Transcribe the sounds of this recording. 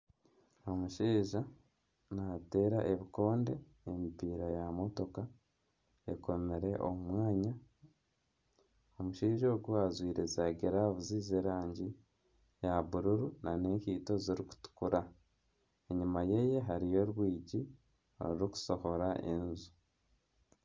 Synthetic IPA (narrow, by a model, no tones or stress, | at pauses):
o̞muʃiːʒa | nate̞ːɾaʔeβiko̞ːnde̞ | emipiːɾajamo̞to̞ka | eko̞meɾe̞ʔo̰mumwaːɲa | omuʃiːʒoːɡuazwiːɾezaɡeɾaβuziːzeɾaːɲɟi | jaβuɾuɾunane̞ɲkiːto̞ziɾiku̥tu̥kuɾa | e̞ɲumaje̞je̞ɦaɾijo̞ɾwiːɟi | o̰ɾiɾiku̥so̞ho̞ɾaʔḛnzu̥